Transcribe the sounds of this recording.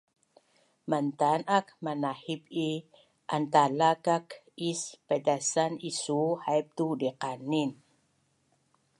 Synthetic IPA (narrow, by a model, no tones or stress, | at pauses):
mant̪anak̚manahipi | ʔant̪alakak | ispɛdasanisuhajp̚t̪udiqanin